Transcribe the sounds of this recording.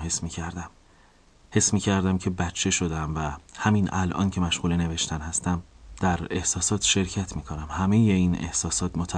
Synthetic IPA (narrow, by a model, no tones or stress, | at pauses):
hesmiːcʰæɾd̪æm | he̞smiːcʰæɾd̪æmcʰe̞bætt͡ʃʰːe̞ʃo̞d̪æmvæhæminʔælʔɒ̰ːncʰe̞mæʃʁuːlene̞ve̞ʃt̪ʰænhæst̪æmd̪̥æɾe̞hsɒːsɒːt̪ʃe̞ɾcʰæt̪ʰmiːkʰo̞næmhæmejeine̞̰hsɒːsɒːt̪ʰmot̪ʰæ